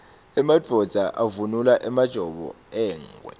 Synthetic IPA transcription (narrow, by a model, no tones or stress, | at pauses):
ɛmad̥ʱɔd̥z̥ʱaʔavunulaʔɛmad̥ʒ̥ʱɔɓɔ̰ | ɛːŋwɛ̰